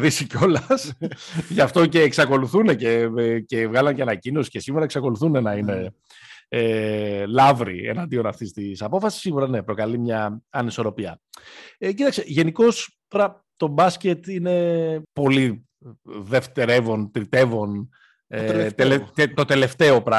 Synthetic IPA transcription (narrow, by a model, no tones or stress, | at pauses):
ðisico̞lɐsʝɐft̪o̞ce̞ːksɐko̞luθune̞cece̞vɣɐlɐnceɐnɐcino̞si̥ce̞siɣuɾɐeksɐko̞luθune̞nɐine̞ | elɐvɾḭḛnɐnd̪io̞nɐft̪ist̪isɐpo̞fɐsi̥siɣuɾɐne̞pɾo̞kɐlimɲɐːniso̞ɾo̞piɐ̰ecit̪ɐkseʝe̞niko̞st̪o̞ɾɐ | t̪o̞bɐsce̞t̪ine̞po̞li | ðe̞ft̪eɾe̞vo̞nt̪ɾit̪e̞vo̞n | et̪elet̪o̞t̪e̞le̞ft̪e̞o̞pɾɐ